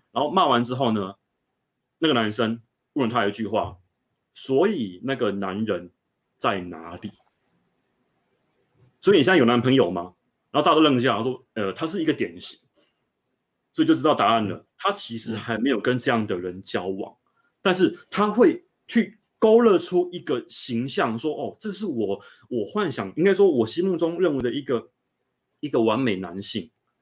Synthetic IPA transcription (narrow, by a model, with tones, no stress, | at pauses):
ɻa˨˧˥no˥˧ʊma˥˨wa˧˦nʈ͡ʂɻ̩˥xo˥˩ʊnə˩ | na˥˩ɡə˩na˧˥nʂ̬ə˦ŋ | pu˥˩wə˥˩nt̪ʰa˥jo˨t͡ɕy˥˧xwa̰˥˩ | swɔ˧˥i˨˩na˥˩ɡə˩na˧˦nɻə˧˦n | t͡sa˥˩ɪna̰˧˥li˨˩˦ | swɔ˧˥i˨ni˨˥˨jo˨˩na˧˥npʰɤ˧˦ŋjo˨˩ʊma˦ | ɻa˨˧xt̪a˥˧o˥lɤ˥˧ŋ˩ɕja˥˨˩a˥ʂwɔ˥ə˨t̪ʰa˥ʂ̬ɻ̩˥˩i˧˥ɡə˧t̪jɛ˨˩nɕi˨˦ŋ | swɔ˧˥i˨t͡ɕo˥˩ɻ̩˧˥t̪ɑ˥˩t̪a˧˦a˥˩nlə̰˩t̪ʰa˦t͡ɕʰi˧˥ʂɻ̩˧˥xa˧˥ɪme˧˥ɪjo˨˩ʊkə˦nʈ͡ʂɤ˥˧jɑ˥˩ŋd̪ə˨ɻə˨˦nt͡ɕjɑ˦ʊwɑ̰˨˩˦ŋ | t̪a˥˧nʂ̬ɻ̩˥˩t̪ʰa˥xwe˥˧ɪ | t͡ɕʰy˥˩ | ko˥ʊlə˥˧ʈ͡ʂʰu˦i˧˥ɡə˨ɕi˧˥ŋɕjɑ˥˨˩ŋʂwɔ˥ʔɔ˥˩ʈ͡ʂɤ˥˧ʂ̬ɻ̩˥˩wɔ˨˩ | wɔ˨˩xwa˥˨nɕjɑ˨˩ŋi˥ŋka˥ɪʂ̬wɔ˥wɔ˨˩ɕi˥mu˥˨˩ʈ͡ʂʊ˥ŋɻə˥˩nwe˧˥ɪd̪ə˧i˧˥ɡə˨ | i˧˥ɡə˨wa˧˦nme˨˩ɪna˧˦nɕi˥˩ŋ